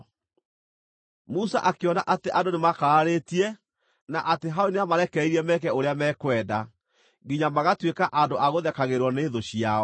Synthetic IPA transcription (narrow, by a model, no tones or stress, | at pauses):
musa̰ʔakeɔnaʔateʔandonemakaːɾetiɛ | naʔateɦaoneamaɾɛkɛiɾɛmɛkɛoɾeamɛːkwɛːda | ɡiɲamaɣatwekaʔandoʔaɣoðɛkaɣeɾwɔneːðoɕijaɔ